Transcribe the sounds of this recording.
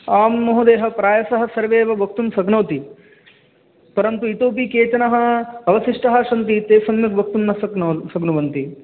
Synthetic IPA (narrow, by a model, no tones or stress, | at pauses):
aːmːɐɦud̪eːɦɐ̆pɾaːjɐsɐɦɐ̆sɐɾʋeːʋɐbʱɐk̚t̪umsɐɡnɐwt̪i | pɐɾɐnt̪uit̪oːp̬ikeːt͡ʃɐnɐɦɐ̆ɐʋɐsiʂʈɐɦɐʂɐnt̪̬it̪eːsɐmjɐk̪̚bʱɐk̚t̪umnɐsɐɡnɐsɐɡnuʋɐnt̪i